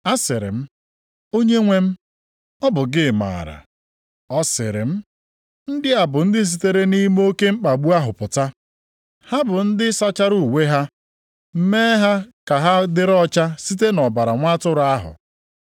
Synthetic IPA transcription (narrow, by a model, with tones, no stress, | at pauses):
a˦sɪ˨ɾɪ̰˨m̩˦ | o˦ɲe˦ŋʷe˦m̩˦ | ɔ˦bʊ˨ɡɪ˦˨ma̰ː˨ɾa̰˨ | ɔ˦sɪ̰˨ɾɪ̰˨m̩˦ | n̩˦dɪ˦a˨bʊ˨n̩˦dɪ˦s̬i˨te˦ɾe˦ni˦m˦o˦ke˦ŋ͡m̩˦k͡pa˨ɡ͡bu˦a˦ɦʊ˨pʊ˨ta˦ | ha˦bʊ˨n̩˦dɪ˦sa˦t͡ʃa˦ɾu˦˨we˦ɦa˦ | m̩˦me˦ɦa˦ka˨ɦa˦dɪ˦ɾɔ˦t͡ʃa˦si˦te˦nɔ˨ba˨ɾa˨ŋʷa˦tʊ˦ɾʊ˨a˦ɦʊ̰˨